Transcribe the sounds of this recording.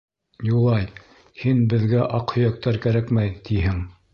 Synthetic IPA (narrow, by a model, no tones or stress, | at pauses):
julˠɑj | hinbɘ̆ðɡæʔɑqhɵ̆jæk̚t̪ɑɾkæɾækmæjt̪ʰihɘŋ